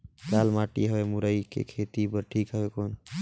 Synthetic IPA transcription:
lalmaʈḭɦəemuɾəjkḛkʰet̪ibəɾʈʰikɦəekon

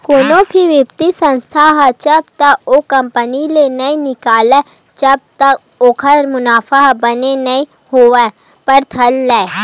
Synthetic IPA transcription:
koːnopʰiʋjəpt̪isə̃nst̪ʰaɦt͡ʃɐbt̪aoːkɐ̃mpənilenɐĩnɪkaːlɛ | t͡ʃɐb̚t̪ɐ | oːkʰəɾmʊnaːfaɦbənenɐĩ | hoːɛ̃ | pɐɾt̪ʰɐlːɛː

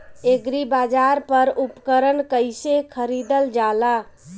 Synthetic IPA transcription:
eɡɾibad͡ʒaɾpəɾupkəɾənkəjsekʰəɾid̪əld͡ʒala

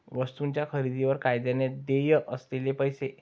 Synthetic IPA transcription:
ʋəst̪unt͡ɕjakʰəɾid̪iʋəɾkajd̪janed̪ejəʔəslelepəjse

